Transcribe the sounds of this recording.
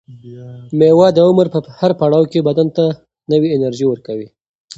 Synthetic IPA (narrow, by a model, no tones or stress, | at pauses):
mewɑd̪əʊməɾpəhaɾpaɽɑwkebad̪ant̪a | nəwiɪnaɾʒiwəɾkawi